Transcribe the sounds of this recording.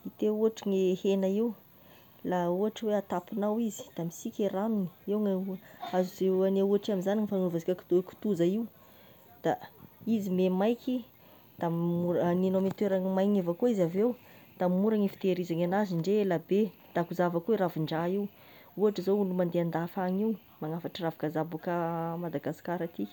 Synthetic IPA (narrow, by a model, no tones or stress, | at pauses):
it̪euɦaʈ͡ʂiŋehenaiw | lauɦaʈ͡ʂəweat̪apinawizi̥d̪̥amisikʲeɾanuni̥eŋaazizeaneuaʈ͡ʂaminzaniɲifanuvazikʲaki̥t̪ku̥t̪uzaiw | d̪̥aizimemajkʲi | d̪̥amuɾninomet̪weɾaŋimajɲevakuizavewd̪̥ammuɾaŋifi̥t̪eɾizaŋanaziɳɖ͡ʐeelabed̪̥akuzavakuiɾaviɳɖ͡ʐaiw | uaʈ͡ʂizoulumand̪eand̪afaɲiw | maŋafaʈ͡ʂaravakazabakəmad̪aɡasi̥kaɾat̪i̥